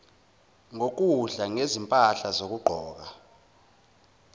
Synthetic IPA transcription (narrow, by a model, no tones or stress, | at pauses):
ŋok̬uɮaŋezimpʼaɬazok̬ʼuɡ͡ǃʱɔːk̬a